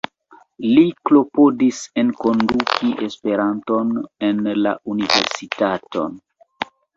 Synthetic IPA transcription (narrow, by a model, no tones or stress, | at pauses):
liklo̞po̞dise̞nko̞ndukʰiʔespe̞ɾanto̞ne̞nla̰univḛɾsitato̞̰n